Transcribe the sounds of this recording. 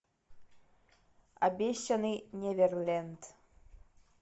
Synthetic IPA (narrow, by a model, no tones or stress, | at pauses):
a̰bʲeɕʲːɐnɨnʲɛvʲɛrlʲɛnt̪